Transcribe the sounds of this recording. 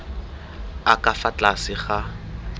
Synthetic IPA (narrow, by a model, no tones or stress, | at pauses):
akʼafat͡ɬʼasɪχa